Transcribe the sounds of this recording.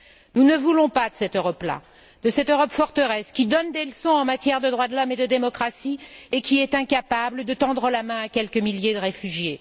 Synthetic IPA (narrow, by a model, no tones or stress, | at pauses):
nunəvulɔ̃pad̪əsɛt̪øʁɔpla̰ | d̪̥əsɛt̪øʁɔpfɔʁt̪əʁɛskʲid̪ɔnd̪eləsɔ̃ɑ̃mat̪jɛʁd̪əd̪ʁwad̪lɔmed̪əd̪emɔkχasiekʲiɛt̪ɛ̃kapabləd̪ət̪ɑ̃d̪ʁəlamɛ̃akʲɛlkəmiljed̪əʁefyʒje